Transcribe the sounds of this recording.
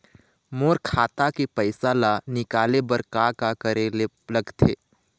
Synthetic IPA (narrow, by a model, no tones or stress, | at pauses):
moːɾkʰaːt̪akipəɪsalanɪkaːlebɐɾkakakəɾele | lɐɡt̪ʰeː